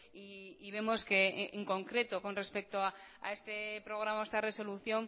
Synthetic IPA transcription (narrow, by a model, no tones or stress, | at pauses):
iːβ̞e̞mo̞ske̞eŋko̞ŋkɾe̞t̪o̞ko̞nre̞spe̞k̚t̪oaa̰e̞st̪e̞pɾo̞ɣ̞ɾamaoest̪are̞so̞luθjo̞ŋ